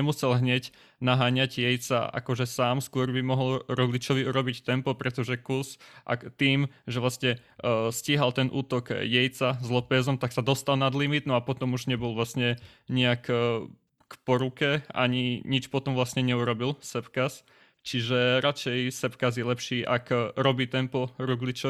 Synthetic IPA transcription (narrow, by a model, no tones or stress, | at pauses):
ɛmusɛlɦɲɛɟ | naɦaːɲaɟjɛjt͡sa̰ʔa̰kɔʒɛsaːmskʊɔɾbimɔɦɔlɾɔzlit͡ʃɔʋiuɾɔbict̪ɛmpɔpɾɛt̪ɔʒɛkusʔa̰t̪iːmʒɛʋlasɲɛsciɦalt̪ɛnʔuːt̪ɔkjɛjt͡sazlɔpɛːzɔmt̪aksad̪ɔst̪alˠnad̪limid̪nɔapɔt̪ɔmuʒɲɛbɔlʋlasɲɛ | ɲɛak | kpɔɾukɛa̰ɲiɲit͡ʃpɔt̪ɔmʋlasɲɛɲɛuɾɔbilsɛpkas | t͡ʃiʒɛɾat͡ʃɛjsɛpkazjɛlɛpʃiːʔakɾɔbiːt̪ɛmpɔɾuɡlit͡ʃɔ